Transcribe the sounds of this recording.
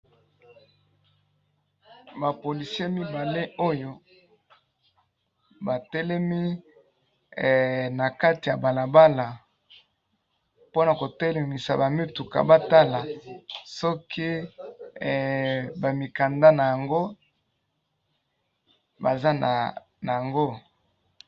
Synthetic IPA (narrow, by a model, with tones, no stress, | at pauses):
ba˨po˨li˨si˦e˦mi˦ba˨le˦ʔo˦jo˦ | ba˨tɛ˦lɛ˦mi˦˨ | na˨ka˦ti˨ja˨ba˨la˨ba˦la˨ | po˦na˨ko˨tɛ˦lɛ˨mi˨sa̰˨ba˨mi˦tu˨ka̰˨ba˦ta˦la˨sɔ˦ki˦˨ | ba˨mi˨ka˨nda˦na˨ja˨ŋɡo˦ | ba˨za˦na̰˨ | na˨ja˨ŋɡo˦